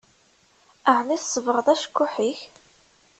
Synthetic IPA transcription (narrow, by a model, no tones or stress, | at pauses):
əʕniθsːˤəvɾəðˤæʃkːʊħiç